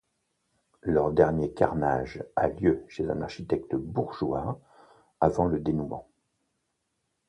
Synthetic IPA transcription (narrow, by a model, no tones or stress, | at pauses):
lœʁd̪ɛʁnjekaʁnaʒaljøʃezɛ̰̃naʁʃit̪ɛk̚t̪buʁʒwa | avɑ̃ləd̪enumɑ̰̃